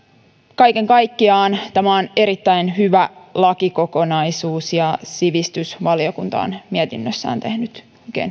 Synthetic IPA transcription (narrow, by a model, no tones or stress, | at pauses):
kɑjkeŋkɑjkːiɑːnt̪æmæone̞ɾit̪ːæinɦyʋælɑkiko̞ko̞nɑisuːsjɑsiʋist̪ysʋɑlio̞kunt̪ɑ̰ːnmiɛt̪inːøsːæ̰ːnt̪ehnyt̪ | oikḛn